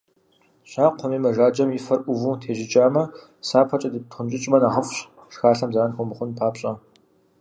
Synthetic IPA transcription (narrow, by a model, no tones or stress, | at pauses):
ɕaːqʷʰɔmiːmɐʒaːd͡ʒɐmjifɐrʔʷʊvuːtʰeːʒɪt͡ʃʼaːmɐ | saːpʰɐt͡ʃʼɐdɨtχʊmt͡ʃʼɪt͡ʃʼmɐnaːʁəfɕ | ʂxaːɬɐmzaːnxʷʼɔmɨχʷʊnpʰaːpɕʼɐ